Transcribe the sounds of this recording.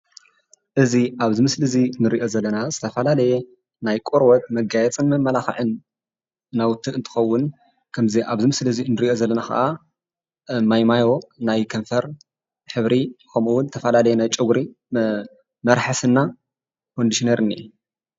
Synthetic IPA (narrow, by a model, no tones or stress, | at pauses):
ʔɨziʔaβzɨmɨslɨzinɨɾiʔo̞zɐlːɐnazɨt̪ʰɐfɐlalɐje | najkʼuɾwɐt̪̚mɐɡajɛt͡sʼɨnmɐmːɐlaxɨ̰ʕɨnː | awʊt̪ʰːɨɨnt̪ʰɨ̥xɐwːʊn | kʰɐmziʔaβzɨmɨslɨzinɨɾiʔo̞zɐlːɐnaxʰa̰ʔa | majmajo̞najkʰɐɱfɐɾ | ħɨβɾikʰɐmuwʊnt̪ʰɐfɐlalɐjenajt͡ʃʼɨɡɾi | mɐɾħasɨnːa | kʰond̪iʃineɾɨnːḭ